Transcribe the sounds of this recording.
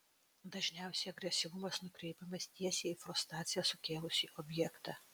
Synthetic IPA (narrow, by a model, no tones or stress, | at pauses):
d̪ɐʒʲnʲæˑʊsʲɛɐɡɾʲɛsʲɪʋʊmɐsnʊkɾʲɛɪpʲɛmɐst̪ʲiɛsʲeːifɾʊst̪ɾɑːt̪sʲɪjɛsʊkʲeːlˠʊsʲiʔɔbʲjɛkt̪ɑ